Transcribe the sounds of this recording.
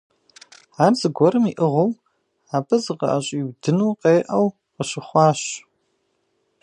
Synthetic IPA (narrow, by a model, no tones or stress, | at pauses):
aːrzɨɡʷɔɾɨmiʔəʁɐw | aːbɐzɨqɐ̰ʔaɕʼiːwdɨnuːqeːʔɐw | qəɕɪχʷɑːɕ